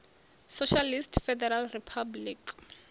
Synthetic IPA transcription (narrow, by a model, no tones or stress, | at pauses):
soʃalistfɛdɛɾalripʰablik